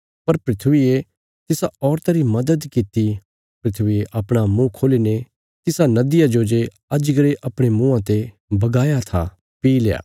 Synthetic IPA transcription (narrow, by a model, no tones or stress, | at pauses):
pɐɾpɾɪt̪ʰʋie | t̪ɪsaɔːɾt̪aɾimɐd̪əd̪kɪt̪i | pɾɪt̪ʰʋieʔɐpɽ̃amũkʰoːlene | t̪ɪsanɐd̪ɪjad͡ʒod͡ʒe | ɐd͡ʒɡəɾeʔɐpɽ̃emũːãt̪e | bɐɡaːjat̪ʰa̰ | piːleja̰ː